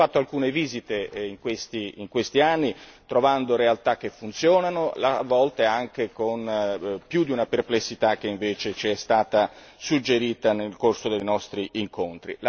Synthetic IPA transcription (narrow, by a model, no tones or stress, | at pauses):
at̪ːoalkuːneviːzit̪eiŋkwest̪iiŋkwest̪ianːit̪ɾovand̪oɾealt̪ak̟ːefːunt̪sjɔːnanola̰vɔlt̪eaŋk̟ekonpjud̪iunaperplesːit̪ak̟ːeiɱveːt͡ʃet͡ʃiɛst̪aːt̪a | sud͡ʒːeɾiːt̪anelkorsod̪ejnɔst̪ɾiʔiŋkont̪ɾḭla